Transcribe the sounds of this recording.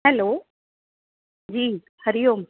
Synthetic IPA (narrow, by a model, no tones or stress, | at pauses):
ɦɛloː | d͡ʑiː | həɾijom